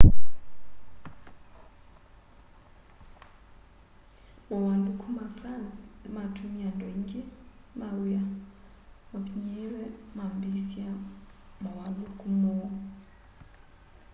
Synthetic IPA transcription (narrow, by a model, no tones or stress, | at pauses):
mɔwandukʰumafrant͡smatʰumiandʱweŋkʼimawuja | mabiɲɛrɛmambisiamawalukʰumɔ